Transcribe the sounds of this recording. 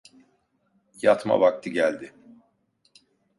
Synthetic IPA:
jat̪ma̰bak̚t̪ʰɯɟælʲd̪ɪ

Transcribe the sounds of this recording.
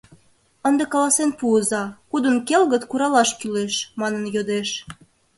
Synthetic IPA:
ənd̪ekɑlɑsenpuəzɑkud̪ənkelɣət̪kuɾɑlɑʃkyleʃmɑnənjod̪eʃ

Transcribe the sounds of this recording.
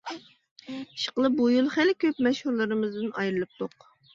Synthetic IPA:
ʃə̥qəlˠɨbujulˠχælɪkʲʰøpmɛʃhuɾlˠɨɾɨmɨzd̪ɨnɑjɾɨlˠɨp̚t̪ʰoq

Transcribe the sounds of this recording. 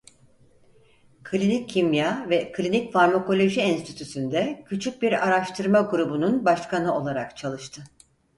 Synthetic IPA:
kʰlʲinicʰːimjavɛkʰlʲinicfaɾmako̞lʲo̞ʒiɛnst̪ʰit̪ʰysynd̪ɛcʰyt͡ʃʰyc̚biɾaɾaʃt̪ʰɯɾmaɡuɾubununbaʃkʰanɯo̞lˠaɾakt͡ʃʰalˠɯʃt̪ʰɯ

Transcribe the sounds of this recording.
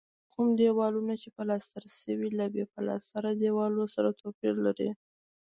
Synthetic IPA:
kumd̪ewɑlunat͡ʃepəlɑst̪aɾasəwilabepalɑ̰st̪aɾad̪ewɑlosaɾat̪ʰopiɾlaɾḭ

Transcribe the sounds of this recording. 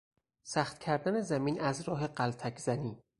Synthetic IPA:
sæxt̪cʲʰæɾd̪æne̞zæmiːnʔæzɾɒːɦe̞ɢælt̪ʰækʰzæniː

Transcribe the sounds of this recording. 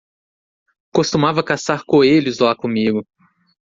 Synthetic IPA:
kost̪umavɐkasaɾkoeʎʊzlakõmiɡʊ

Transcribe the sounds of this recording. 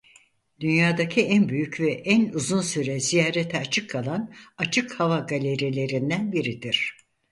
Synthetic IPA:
d̪̥ynjaːd̪acʰiænbyjycvɛʔænuzunsyɾɛzijaːɾet̪ʰɛat͡ʃʰɯkʰːalˠanat͡ʃʰɯkhavaɡalʲeɾjelʲe̞ɾind̪ænbiɾid̪iɾ̥

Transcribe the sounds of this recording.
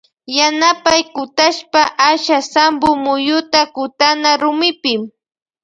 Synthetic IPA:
janapajkʊt̪aʃpaʔaʃasambʊmʊjʊt̪akʊt̪anaɾʊmɪpɪm

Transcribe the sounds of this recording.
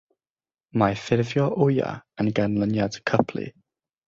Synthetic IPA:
majfɪɾvjɔʔʊja̰ənɡanlˠənjad̥kʰəpʰlḭ

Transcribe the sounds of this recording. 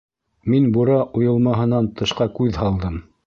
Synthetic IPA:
minbuɾɑʔujɤ̆lˠmɑɦɤ̆nɑnt̪ɤ̆ʃqɑkʉðɦɑlˠd̪ɤm

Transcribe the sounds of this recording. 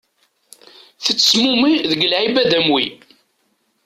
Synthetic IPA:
θət͡sːə̥smumiðəɡlʕibæd̪æmwi

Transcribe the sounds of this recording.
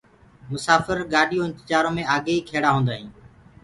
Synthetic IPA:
mʊsaːfəɾɡaːɗʱijõːɪnt̪ɪt͡ʃaːɾõːmẽaːɠeiːkʰeːɽaːɦõːnd̪aːɦĩː

